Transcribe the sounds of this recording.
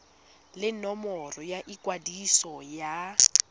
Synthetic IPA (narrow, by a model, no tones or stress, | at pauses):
lɪnɔmɔrɔjaʔikʼwadisɔja